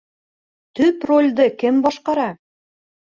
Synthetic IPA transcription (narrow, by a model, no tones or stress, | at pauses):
t̪ɵprolʲd̪ɤkɘmbɑʃqɑɾɑ